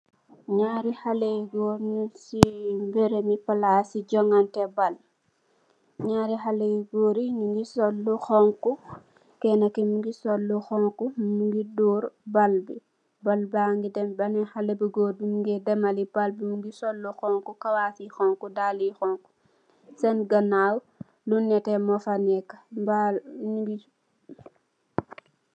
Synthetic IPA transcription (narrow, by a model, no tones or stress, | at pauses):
ɲaːɾihaleɡoːɾnisimbeɾemipalasiɟɔŋantɛbal | ɲaːɾiɦaleɡoːɾiŋiŋɡisolːuxɔŋku | kɛnakimuŋɡisolːuxɔŋkummuŋɡidɔːɾbalbi | balbaŋɡidɛmbanɛhalebiɡoːɾbimuŋɡɛdɛmalibalbimuŋɡisolːuxɔŋkukawaːfixɔŋkudalixɔŋku̥ | sɛnɡanaw | lunːɛtɛmɔfanɛkːḁbaɲuɡi